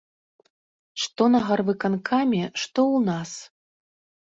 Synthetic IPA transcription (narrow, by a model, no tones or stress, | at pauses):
ʂt̪ɔnɐɣarvɨkankʰamʲɛʂt̪ɔwnas